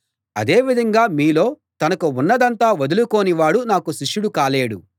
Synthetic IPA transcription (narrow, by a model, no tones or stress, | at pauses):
ɐd̪e̞ːʋid̪ʱɐŋɡaːmiːlo̞ː | t̪ɐnɐkuunːɐd̪ɐnt̪aːʋɐd̪ulukoːniʋaːɽunaːkuʃiʂːuɽukaːleːɽu